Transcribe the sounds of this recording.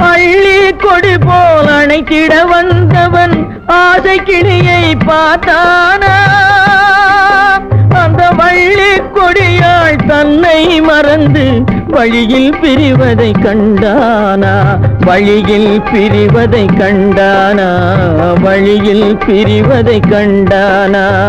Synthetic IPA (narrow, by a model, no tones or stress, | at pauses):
ɐɭːikːɔɽɪpoːlɐnɐɪt̪ːɪɽɐʋɐnd̪ɐʋɐn | aːsɐɪkːɪɭɪjɐɪpaːɾt̪aːnaː | ɐnd̪ɐʋɐɭːikːɔɽɪjaːɭt̪ɐnːɐɪmɐɾɐnd̪ɯ | ʋɐɻɪjɪlpɪɾɪʋɐðɐɪkːɐɳɖa | naːʋɐɻɪjɪlpɪɾɪʋɐðɐɪkːɐɳɖaːnaː | ʋɐɻɪjɪl | pɪɾɪʋɐðɐɪkːɐɳɖaː | naː